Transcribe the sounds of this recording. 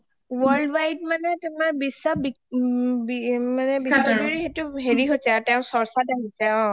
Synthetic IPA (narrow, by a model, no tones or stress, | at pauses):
wɔɹldwajt̚manɛtumaɹbisːabi | bimanɛbiadoɹihetʊɦeɹiɦojsɛaɹtɛʊ̃sɔɹsadaɦisɛɔ̃